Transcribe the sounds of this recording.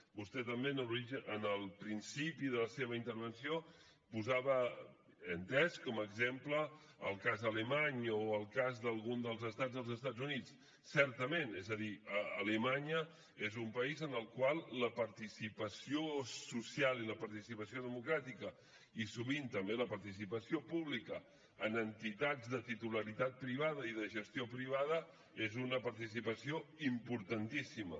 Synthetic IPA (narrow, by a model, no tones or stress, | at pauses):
bust̪ɛt̪əmbeənəɾiʒəʔənəlˠpɾinsipiðələseβəint̪əɾβ̞ənsio | puzaβəː | nt̪ɛskɔməɡzemplə | ə̰lˠkazðələmaɲoəlˠkazðəlˠɣund̪əlˠzəst̪ad͡zðəlˠzəst̪ad͡zunit͡s | sɛɾt̪əmenɛ̰zəðiəːləmaɲə | ezumpəizənəlˠkwalˠːəpəɾt̪isipəsiosusialˠiləpəɾt̪isipəsioðəmukɾat̪ikə | isuβint̪əmbeləpəɾt̪isipəsiopuβlikəː | nənt̪it̪ad͡zðət̪it̪uləɾit̪at̪̚pɾiβ̞að̞əiðəʒəst̪jopɾiβ̞að̞ə | ezunəpəɾt̪isipəsioimpuɾt̪ənt̪isimə̰